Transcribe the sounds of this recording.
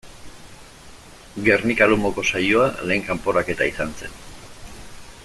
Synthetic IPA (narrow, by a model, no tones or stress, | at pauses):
ɡe̞rnikaɾumo̞ko̞sajoale̞ːŋkampo̞ɾake̞t̪aisanse̞̰n